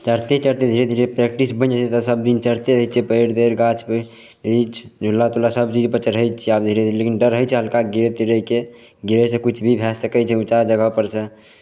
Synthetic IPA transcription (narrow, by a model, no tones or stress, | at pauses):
t͡ʃəɾt̪et͡ʃəɾt̪ed̪ʱiɾed̪ʱiɾepɾɛk̚ʈisbə̃nd͡ʒat͡ʃʰɛt̪əsəb̚d̪int͡ʃəɾt̪eɾəjt͡ʃʰɛpəɾd̪eɾɡat͡ʃʰpə | ɾit͡ʃʰd͡ʒʱulːat̪ulasəbt͡ʃid͡ʒpəɾt͡ʃʰɛɾəɦəjt͡ʃʰiab̚d̪ʱiɾed̪ʱiɾlekinɖəɾɦət͡ʃʰɛɦəlkaɡiɾet̪iɾəke | ɡiɾəsə̃kut͡ʃʰbʱibʱɛsəkət͡ʃʰɛut͡ʃad͡ʒəɡəpəɾsə̃